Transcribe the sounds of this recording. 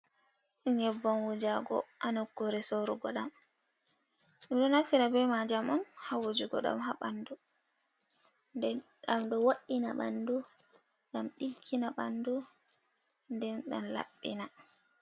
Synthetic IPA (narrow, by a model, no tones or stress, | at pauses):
ɲɛbːɔnwud͡ʒaɡɔ̰ʔanɔkːɔɾɛsoɾuɡɔɗam | ɗɛmɗɔnafsiɾabɛmad͡ʒamɔnhawud͡ʒuɡɔ̰ɗa̰mɦaɓandu | ndɛ | ɗamɗɔwaɗːina̰ɓa̰ndu | ɡamɗikʰːinaɓandu | ndɛnɗa̰nla̰ɓːḭna